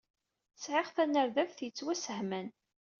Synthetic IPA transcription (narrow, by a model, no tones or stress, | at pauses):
sʕɪʁθænːəɾðævθjət͡sːwæsəhmæn